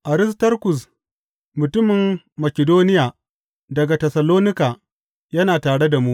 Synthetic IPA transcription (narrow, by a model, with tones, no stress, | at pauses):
ʔa˨ɾɪ˦s̬tɐ˦rkʊ˨s̬ | mʊ˨tʊ˦mɪ˨mː | ɐ˨kʲɛ˨doː˦nɪ˦jaː˨ | dɐ˨ɡa˨tɛ˨sɐ˨loː˦nɪ˦kaː˨ | jɐ˦naː˨taː˨ɽe˦da˨mu˦ʔ